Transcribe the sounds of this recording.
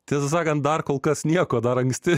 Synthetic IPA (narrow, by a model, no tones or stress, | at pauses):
t̪ʲiːsɐs̬ɑːkɐnt̪̚d̪ɐrkoːlˠkɐsnʲiɛkoːd̪ɐɾɐŋksʲt̪ʲɪ